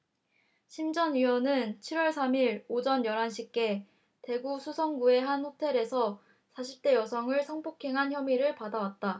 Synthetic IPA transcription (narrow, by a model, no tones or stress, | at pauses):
ɕʰimd͡ʑʌnɥiwʌnɯnt͡ɕʰiɾwʌɭsʰamiɾod͡ʑʌnjʌɾanɕʰik͈e̞ | te̞ɡusʰusʰʌŋɡue̞ɦanɸotʰe̞ɾe̞sʰʌ | sʰaɕʰip̚t͈e̞jʌsʰʌŋɯɭsʰʌŋpokʰe̞ŋɦançjʌmiɾɯɭpadawat̚t͈a